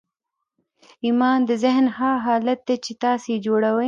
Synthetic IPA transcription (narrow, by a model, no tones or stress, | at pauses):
imɑːnd̪əzɪɦnhaɦɑːlat̪̚d̪at͡ʃet̪ɑːsed͡ʒoɽawə